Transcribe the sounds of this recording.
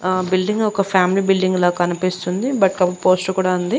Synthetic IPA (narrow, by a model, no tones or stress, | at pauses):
bilɖiŋɡɔkɐpʰaːmiliːbilɖiŋɡlaːkːɐnipist̪und̪ibɐʈkɐpupoːsʈkuːɽaːund̪i